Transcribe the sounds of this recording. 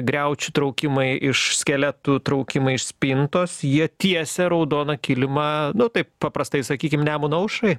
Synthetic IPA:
ɡɾʲɛʊt͡ʃʲʊt̪ɾɐʊkʲɪmɐɪʔɪʃsʲkʲɛlʲɛt̪uːt̪ɾɐʊkʲɪmɐɪɪʃsʲpʲɪnt̪oːsjiɛt̪ʲiɛsʲɛɾɐʊd̪oːnɐkʲɪlʲɪmɐnʊt̪ɐɪppɐpɾɐst̪ɐɪsɐkʲiːkʲɪmnʲæːmʊnɐʊʃɐɪ

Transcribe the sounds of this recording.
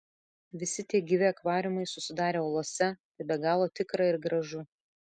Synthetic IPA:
ʋʲɪsʲɪt̪ʲiɛɡʲiʋʲɪɐkʋɑːɾʲɪmɐɪsʊsʲɪd̪ɑːɾʲeːoːlˠoːsʲɛt̪ɐɪbʲɛɡɑːlˠoːt̪ʲɪkɾɑɪɾɡɾɐʒʊ

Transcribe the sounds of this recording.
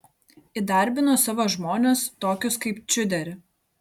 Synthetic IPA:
id̪ɐˑɾʲˑbʲɪnoːsɑʋoːʒmoːnʲeːst̪oːkʲʊskɐɪpt͡ʃʲʊd̪ʲɛɾʲ

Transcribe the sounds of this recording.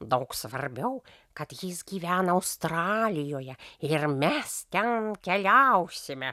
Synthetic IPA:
d̪ɐʊksʋɐrʲbʲɛʊ | kɐt̪jɪsɡʲiːʋʲæːnɐɐʊst̪ɾɑːlʲɪjoːjɛɪɾmʲɛst̪ʲɛnkʲɛlʲɛʊsʲɪmʲɛ

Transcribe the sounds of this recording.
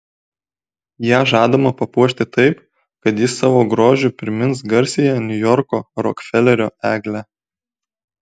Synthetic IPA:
jæːʒɑːd̪omɐpɐpuɔʃʲt̪ʲɪt̪ɐɪp | kɐt̪jɪsɑːʋoːɡɾoːʒʲʊpʲɾʲɪmʲɪns̬ɡɐɾʲsʲɪjænʲʊjɔɾkoːɾɔ̰kfʲɛlʲɛɾʲoːæːɡlʲæ

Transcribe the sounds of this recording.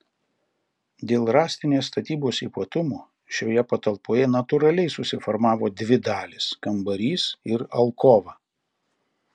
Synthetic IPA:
d̪ʲeːlˠɾɑːsʲt̪ʲɪnʲeːsːt̪ɐt̪ʲiːboːsiːpɐt̪ʊmuː | ʃʲoːjɛpɐt̪ɐlˠpoːjɛnɐt̪ʊɾɐlʲɛɪsʊsʲɪfɔɾmɑːʋoːd̪ʲʋʲɪd̪ɑːlʲɪskɐmbɐɾʲiːsɪɾɐ̰lˠkoːʋɑː

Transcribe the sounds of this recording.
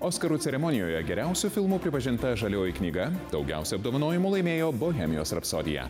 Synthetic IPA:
oːskɐɾuːsʲɛɾʲɛmɔnʲɪjoːjɛɡʲɛɾʲæˑʊsʲufʲɪlˠmuːpʲɾʲɪpɐʒʲɪnt̪ɐʒɐlʲoːjiknʲiːɡɐd̪ɒʊɡʲæ̰ˑʊsʲuɐb̚d̪oːʋɐnoːjɪmulˠɐɪmʲeːjoːboːɣʲɛmʲɪjoːsɾɐpso̰ːd̪ʲɪ̰jɛ̰

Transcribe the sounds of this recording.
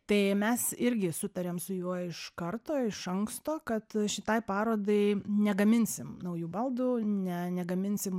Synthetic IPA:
t̪ɐɪmʲɛsɪɾʲɡʲɪsʊt̪ɐɾʲeːmsʊjuɔɪʃkɐrt̪oːɪʃɐŋkst̪oːkɐt̪ʃʲɪt̪ɐɪpɑːɾoːd̪ɐɪnʲɛɡɐmʲɪnʲsʲɪmnɐʊjuːbɐlˠd̪uːnʲɛnʲɛɡɐmʲɪnʲsʲɪm

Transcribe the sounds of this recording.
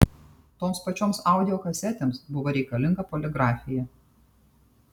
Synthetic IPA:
t̪oːmspɐt͡ʃʲoːmsɑˑʊd̪ʲɪoːkɐsʲɛt̪ʲemsbʊʋoːɾʲɛɪkɐlʲɪŋɡɐpoːlʲɛɡɾɑːfʲɪjɛ

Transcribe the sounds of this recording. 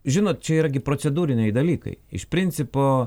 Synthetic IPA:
ʒʲɪnoːt̪̚t͡ʃʲɛiːɾɐɡʲɪpɾoːtsʲɛd̪uːɾʲɪnʲɛɪd̪ɐlʲiːkɐ̰ɪɪ̰ʃpʲɾʲɪnʲt̪sʲɪpoː

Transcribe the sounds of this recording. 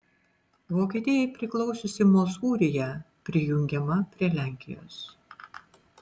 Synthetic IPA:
ʋoːkʲiːt̪ʲɪjɛɪpʲɾʲɪklˠɒʊsʲoːsʲɪmɔsuːɾʲɪjɛ | pʲɾʲɪjʊŋʲɡʲɛmɐpʲɾʲiɛlʲæˑŋʲkʲɪ̰jo̰ːs

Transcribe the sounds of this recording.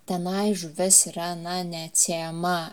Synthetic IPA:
t̪ʲɛnɐɪʒʊʋʲɛsiɾɐɐnɐnʲɛsʲemɐ

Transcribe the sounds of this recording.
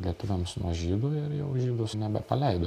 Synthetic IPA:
lʲiɛt̪ʊʋʲɛmsnuɔʒʲiːd̪oːɪɾjɛʊʒʲiːd̪ʊsnʲɛbʲɛpɐlʲɛɪd̪oː

